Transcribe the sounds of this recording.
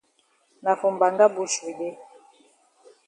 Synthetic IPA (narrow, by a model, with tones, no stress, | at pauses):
na˨fu˨mba˨ŋɡa˦bu˨ʃe˨de˦